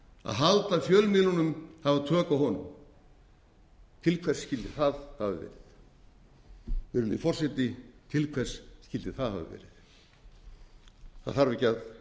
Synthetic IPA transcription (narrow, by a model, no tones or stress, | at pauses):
a̰ðɦalt̪afjœːlmɪːðlɔnʏmhavat̪ʰœːkaɦɔnʏ̰m | t̪ʰɪlkʰvɛr̥scɪlt̪ɪθaðhavɪ̰vɛ̰ːɾɪθ | vɪɾʏmnḭfɔr̥sɛt̪nɪt̪ʰɪlkʰvɛr̥sscɪlt̪ɪ̥θaðha̰vɪ̰vɛ̰ːɾɪθ | θa̰ðθaɾvɪcað